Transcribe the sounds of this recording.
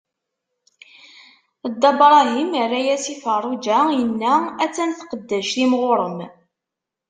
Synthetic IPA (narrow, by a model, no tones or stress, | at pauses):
d̪ːɑbɾˤɑɦimərːæjæsifərˤːud͡ʒæjənːææt͡sːænθqəd̪ːæʃθimʁoɾˤəm